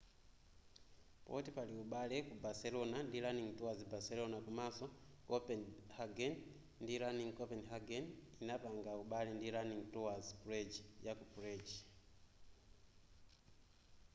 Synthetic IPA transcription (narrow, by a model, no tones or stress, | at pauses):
pɔ̰tipaliuɓalɛkubasɛlɔnandiɾaniŋtɔwazibasɛlɔnakumasɔ | kɔpɛnhaɡɛn | ndiɾaniŋkɔpɛnɦaɡɛninapaŋɡauɓalɛndiɾaniŋtɔwazpuɾɛd͡ʒijakupuɾɛd͡ʒi